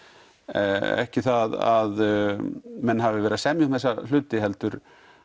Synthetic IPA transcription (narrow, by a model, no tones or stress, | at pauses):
ɛ̰hcɪθaðað | mɛnːɦavɪvɛːɾasɛmjʏŋmθɛsal̥ʏːt̪ɪɦɛlt̪ʏɾ